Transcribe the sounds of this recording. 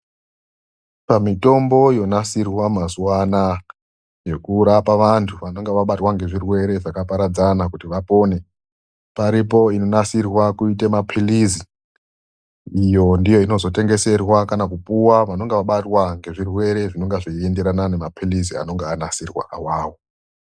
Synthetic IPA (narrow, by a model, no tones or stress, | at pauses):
pamito̞mbo̞jo̞nasirwamazuwana | je̞kuɾapaʋantʰuʋano̞ŋɡeʋaɓatwaŋɡe̞ʐirwe̞ɾe̞ʐakapaɾad͡zanakutiʋapo̞ːne̞ | paɾipo̞ino̞nasirwakuitemapʰilizi | ijo̞ndijo̞ino̞zo̞te̞ŋɡe̞se̞rwakanakupuwaʋano̞ŋɡeʋaɓatwaŋɡe̞ʐirwe̞ɾe̞ʐino̞ŋɡaʐiende̞ɾanane̞mapʰilizia̰no̞ŋɡeanasirwa̰ʔawaːwo